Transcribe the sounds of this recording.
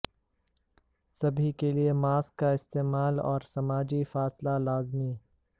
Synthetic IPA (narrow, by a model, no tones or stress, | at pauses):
sɐbʱikeliemaːskːaɪst̪eːmaːlɔ̰ːɾsɐmaːd͡ʒifaːslalaːzmi